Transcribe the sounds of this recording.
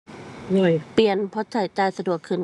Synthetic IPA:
lo˧˩jpli˨˩ənpʰɔ˧˦˥t͡ɕa˨˩˦jt͡ɕaː˧jsa˧du˨˩əkʰːɯː˧˩n

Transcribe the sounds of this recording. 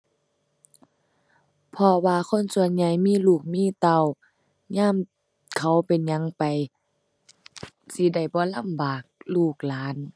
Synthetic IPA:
pʰɔ˧waː˧kʰo˧˥˨nsu˧ənɲa˧˩jmiː˧˥˨luː˧˩k̚miː˧˥˨t̪a˧˩˨w | ɲaː˧˥˨m | kʰa˧˦wpe˨nɲa˧˦ŋpa˨j | si˧˦da˧˩jbɔː˧˦la˧˥˨mbaː˨˩k̚luː˧˩k̚laː˨˦n

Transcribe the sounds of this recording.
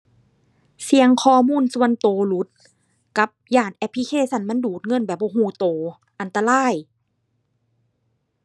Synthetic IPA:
si˧əŋkʰɔː˧˩˨muː˧˥˨nsu˧˩ə˨nt̪oː˨˩lu˦t̪̚ | ka˧˦p̚jaː˧˩nʔɛ˧˥pʰːi˧kʰeː˧˩˨sa˧˥˨nma˧˥˨nduː˨˩t̪̚ŋɤ˧˥˨nbɛː˨˩p̚bɔː˧˩˨ɦuː˧˩t̪oː˨ | ʔa˨nt̪a˧laː˧˥˩j

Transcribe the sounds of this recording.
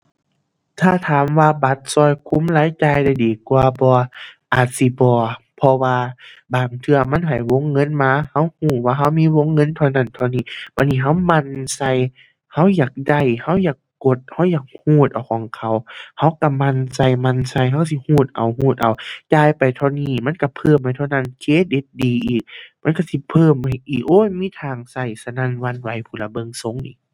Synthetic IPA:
t̪ʰaː˧˩t̪ʰaː˨˦mwaː˧ba˧˦t̪̚sɔː˧˩jkʰu˧˥˨mlaː˧˥jt͡ɕa˧jda˧˩jdiː˨˩kwaː˧bɔː˧ʔaː˨˩t̪̚si˧˦bɔː˧ | pʰɔ˧waː˧baː˨˩ŋt̪ʰɯ˧ɐma˧˥˨nɦa˨˩jwo˧˥˨ŋːɤ˧˥˨nmaː˧˥˨ha˧˥whuː˧˩waː˧ɦa˧˥˩wmiː˧˥˨wo˧˥˨ŋːɤ˧˥˨nt̪ʰa˧wna˧˥˨nt̪ʰa˧niː˧˩˨ba˧˩niː˧˨ɦa˧˥˨wma˧˥˨nsa˧˩j | ha˧˥˨wjaː˨˩k̚da˧˩jha˧˥˨wjaː˨˩kːo˧˦t̪̚ha˧˥wjaː˨˩k̚huː˧˩t̪̚ʔa˨˩wkʰɔː˨˦ŋkʰa˧˩wha˧˥˩wka˧˩ma˧˨nsa˧˩jma˧˨nsa˧˨jɦa˧wka˧˨si˧˦huː˧˩t̪̚ʔa̰˨˩whuː˧˩t̪̚ʔa˨˩wt͡ɕaː˧˨jpa˨jt̪ʰɔː˧niː˧˩ma˧˥˨n˨ka˧˩pʰɤː˧˩˨mha˨˩jt̪ʰːna˧˥˨nkʰeː˧˥˨de˧t̪̚diː˨˧ʔiː˨˩k̚ma˧˥˨nka˧˩si˧˦pʰɤː˧˨mːa˧˩jʔiː˨˩k̚ʔoː˧˥˨miː˧˥˨t̪ʰaː˧˩ŋsa˧˩jsa˧na˧˨nwa˧˥˨nwa˧˩jpʰuː˧˩la˧˥bɤ˧˨ŋso˧˥˨ŋnḭː˧˦

